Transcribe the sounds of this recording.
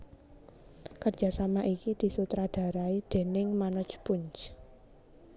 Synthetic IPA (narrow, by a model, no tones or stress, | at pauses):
kər̥d͡ʒʒ̥a̤samaʔikid̪̥i̤sut̪ɾad̪̥a̤ɾaid̪̥e̤nɪŋmanɔ̥t͡ʃpʊɲt͡ʃ